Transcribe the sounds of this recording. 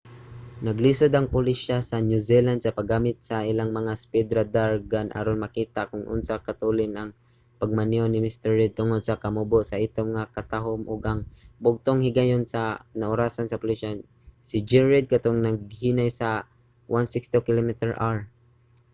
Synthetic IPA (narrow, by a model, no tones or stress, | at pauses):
naɡlisod̪aŋpʊlɪʃasanjuziland̪̚sapaɡamɪt̪̚saʔilaŋmɐŋaspid̪ɾad̪aɹɡanʔa̰ɾonmakiːt̪akʊŋʔʊ̰nsakat̪ulɪnaŋ | paɡ̚manionɪmɪst̪ɛɹːɪd̪̚t̪ʊŋod̪̚sakamuboʔsaʔɪt̪omŋakat̪aɦʊmʔʊɡʔaŋbʊɡ̚t̪oŋhɪɡajonsanaʔʊɾaːsansɐpʊliʃa | sɪd͡ʒɛɹɪd̪̚kat̪oŋnaɡ̚hinajsa | wʔansɪkst̪okɪlomit̪ɛɹʔaɹ